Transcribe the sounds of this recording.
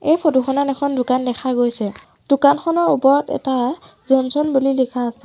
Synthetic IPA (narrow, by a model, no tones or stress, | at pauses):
ejpʰɔtuxɔnanɛkʰɔndʊkandɛkʰaɡojsɛ | d̥ʊkanxɔnɔɹupɔɹɔtɛ̰ta | zɔnsɔnbulilikʰaːsɛ